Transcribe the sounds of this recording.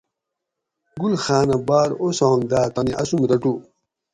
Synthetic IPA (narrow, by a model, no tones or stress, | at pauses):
ɡulxaːnɐbaːɾosaːnd̪aːt̪ɐniʔɐsumɾɐʈu